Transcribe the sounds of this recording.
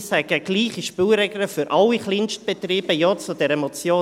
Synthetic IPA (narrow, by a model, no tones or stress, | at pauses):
shɛɡ̥əɡ̥liːχiʃpylɾɛɡləfʏɾʔɑlːiχlɪnʃt̚b̥ɛt̪riːb̥əjɔt͡sud̥ɛɾəmɔt͡sjoː